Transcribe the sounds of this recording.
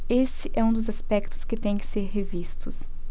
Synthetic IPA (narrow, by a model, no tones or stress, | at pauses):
esɪʔɛũd̪ʊzaspɛkt̪ʊ̥skɪt̪ẽj̃kɪ̥seɾɦevist̪ʊs